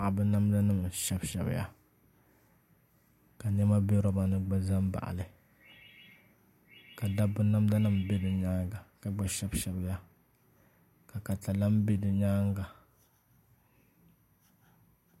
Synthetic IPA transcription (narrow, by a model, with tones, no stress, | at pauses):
a˨ʔa˨bɨ˦na˦mda˦nɨ˦m˨ʃɛ˦bʃɛ̰˨bɨ̰˨ja̰˦ | ka˨ɲɛ˦ma˦be˦ɾɔ˦ba˦nɨ˦ɡ͡ba˦za˦m˦ba̰˨ʔa̰˨lɨ˨ | ka˨da˦bɨ˦na˦mda˦nɨ˦m˨be˦dɨ˨ɲaː˦ŋɡa˨ka˨ɡ͡ba˨ʃɛ˦bʃɛ˨bja˦ | ka˨ka˨ta˨la˦m˦be˦dɨ˨ɲaː˦ŋɡa˨